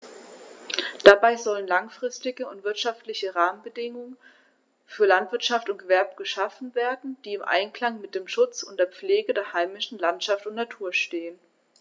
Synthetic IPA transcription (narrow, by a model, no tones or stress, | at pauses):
d̥abaɪzɔlənlaŋfʁ̥ɪstɪɡəʊntv̥ɪɐtʃaftlɪçəʁaːmənbədɪŋʊŋən | fyːɐlantv̥ɪɐtʃaftʊntɡ̥əvɛɐbəɡ̥əʃafn̩veːɐdn̩d̥iːɪmʔa̰ɪnkl̥aŋmɪt̚d̥eːmʃʊt͡sʊnt̚d̥eːɐp͡fleːɡədeːɐhaɪmɪʃn̩lantʃaftʊntnatʰuːɐʃteːən